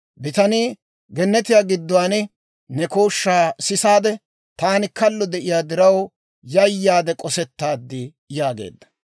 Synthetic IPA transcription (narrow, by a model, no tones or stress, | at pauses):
bɪt̪ɐniː | ɡɛnːɛt̪ɪjaːɡɪd̪ːʊwaːnɪ | nɛkoːʃːaːsɪsaːd̪ɛ | t̪aːnɪkɐlːɔd̪ɛʔɪjaːd̪ɪɾɐw | jɐjːaːd̪ɛkʼɔsɛt̪ːaːd̪ːɪ | jaːɡe̞̰ːd̪ːɐ̥